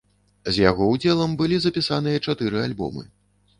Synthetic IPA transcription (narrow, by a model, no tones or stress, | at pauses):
zʲjaɣɔwd͡zʲɛlˠɐmbɨlʲizɐpʲisan̪ɨjɐt͡ʂat̪ɨɾɨalʲbɔ̰mɨ̰